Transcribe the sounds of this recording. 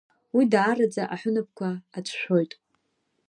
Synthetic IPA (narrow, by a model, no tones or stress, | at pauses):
widʕarad͡zaʔaħʊnɨp̚ʰkʷʰaat͡sʷʰʃʷᶣo̞jtʼ